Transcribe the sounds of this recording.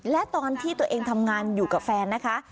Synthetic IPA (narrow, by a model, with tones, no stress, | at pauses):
lɛ˦˥t̪ɔː˧nt̪ʰiː˥˩t̪u˧əʔeː˧ŋt̪ʰa˧mŋaː˧njuː˨˩ka˨˩p̚fɛː˧nːa˦˥kʰa˦˥ʔ